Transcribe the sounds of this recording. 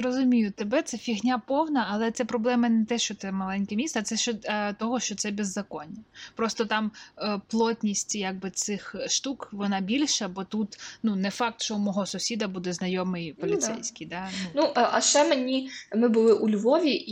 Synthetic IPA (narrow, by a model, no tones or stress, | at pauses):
ɾɔzʊmʲijʊt̪ebɛt̪sɛfʲiɦnʲapɔwnɐːlˠɛt̪sɛpɾɔblˠɛmɐnɛt̪ɛʃt͡ʃɔt̪ɛmɐlˠɛnʲkemʲist̪ɐt̪sɛʃt͡ʃɔt̪ɔɦɔʃt͡ʃɔt̪sɛbʲezːɐkɔnʲːɐpɾɔst̪ɔt̪ɑmplˠɔt̪ʲnʲisʲtʲjaɡ̚bɪt̪sɪxʃt̪ukʋɔnɑbʲilʲʃɐbɔt̪ut̪nunɛfɑk̚t̪t͡ʃɔmɔɦɔsʊsʲid̪ɐbud̪ɛznɐjɔmɪjpɔlʲɪsɛ̰jsʲkɪjd̪ɑnnuʔʔɐʃt͡ʃɛmenʲimɪbʊlˠɪʔulʲʋɔʋʲi